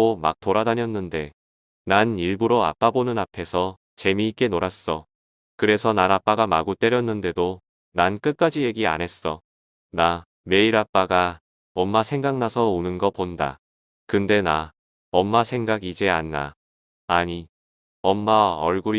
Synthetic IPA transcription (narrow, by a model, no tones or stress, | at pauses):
oma̰k̚t͈oɾadaɲjʌnːɯnde̞ | naniɭbuɾoa̰p͈abonɯnapʰe̞sʰʌ | t͡ɕe̞miːk͈e̞noɾas͈ʌ | kɯɾe̞sʰʌnaɾap͈aɡamaɡut͈e̞ɾjʌnːɯnde̞do | nank͈ɯt̚k͈ad͡ʑije̞ɡia̰nɦe̞s͈ʌ | na | me̞iɾap͈aɡa | ʌmːasʰe̞ŋɡaŋnasʰʌonɯnɡʌponda̰ | kɯnde̞na | ʌmːasʰe̞ŋɡaɡid͡ʑeanːa̰ | aɲi | ʌmːaʌɭɡuɾ